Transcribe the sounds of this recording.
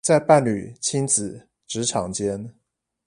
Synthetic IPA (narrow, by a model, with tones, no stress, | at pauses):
t͡sa˥˧ɪpa˥˩nly˨˩t͡ɕʰi˥nt͡sɹ̩˨˩˦ | ʈ͡ʂɻ̩˧˥ʈ͡ʂʰɑ˨˩ŋt͡ɕjɛ˥n